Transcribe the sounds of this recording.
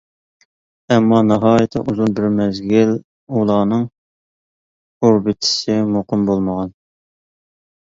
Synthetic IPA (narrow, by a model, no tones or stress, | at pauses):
ɛmːɑnɑɦɑːjɪt̪ʰːɛ̰ʔuzulˠbɪɾmɛzɡʲɪl | ulˠɑːnɨŋ | oɾbɪt̪ʰɪ̥sɪmoqʰɨmbolˠməʁɑn